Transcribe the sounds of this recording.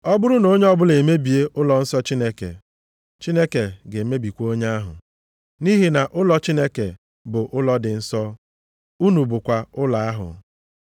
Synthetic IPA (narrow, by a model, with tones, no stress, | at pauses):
ɔ˦bʊ˦ɾʊ˦no˦ɲe˦ɔ˦bʊ˦le˨me˦bi˨e˦ʔʊ˦lɔ˨n̩˦sɔ˦t͡ʃi˦ne˦kḛ˨ | t͡ʃi˦ne˦ke˨ɡe˨˦me˦bi˨kʷo˦ɲe˦a˦ɦʊ̰˨ | ni˦ɦi˨na˨ʔʊ˦lɔ˨t͡ʃi˦ne˦ke˨ | bʊ˨ʔʊ˦lɔ˦dɪ˨n̩˦sɔ˦ | u˦nu˨bʊ˨kʷa˨ʊ˦la˨a˦ɦʊ̰˨